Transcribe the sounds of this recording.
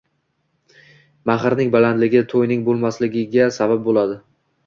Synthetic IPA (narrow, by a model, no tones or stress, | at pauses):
maχɾnɪŋbaland̪lɪɡʲɪt̪ʰojnɪŋbolˠmaslɪɡʲɪɡʲasabap̚bolad̪ɪ